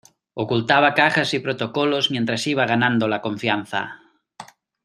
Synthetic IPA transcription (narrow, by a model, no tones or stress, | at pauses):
okult̪aβ̞akaxasipɾot̪okolozmjẽnt̪ɾasiβ̞aɣ̞anãnd̪olakõɱfjan̟θa̰